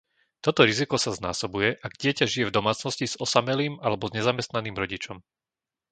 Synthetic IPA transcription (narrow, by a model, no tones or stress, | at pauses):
t̪ɔt̪ɔɾizikɔsazna̰ːsɔbujɛʔaɡɟɪɛcaʒijɛvd̪ɔmaːt͡snɔsciz̥ɔsamɛliːmalɛbɔzɲɛzamɛst̪naniːmɾɔɟit͡ʃɔm